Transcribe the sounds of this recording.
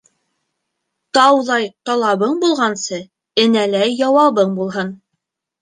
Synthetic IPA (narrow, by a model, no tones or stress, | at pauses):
t̪ɑwðɑjt̪ɑlˠɑβɤɴbulˠʁɑnsɤ | ɘ̆nælæjːɑwɑβɤɴbulˠɦɤn